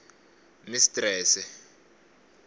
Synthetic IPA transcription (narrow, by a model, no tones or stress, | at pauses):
nisi̥tʼrɛːsɛ